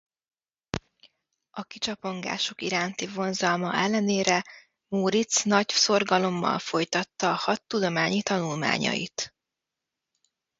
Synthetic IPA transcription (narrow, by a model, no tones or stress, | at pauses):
ɒkit͡ʃɒpo̞ŋɡa̰ːʃo̞kiɾaːnt̪ivo̞nzɒlmɒʔɛlːɛneːɾɛ | muːɾit̪snɒɟso̞rɡɒlo̞mːɒ̰lfo̞jt̪ɒt̪ːɒːhɒt̪ːud̪o̞maːɲit̪ɒnulma̰ːɲɒ̰jḭt̪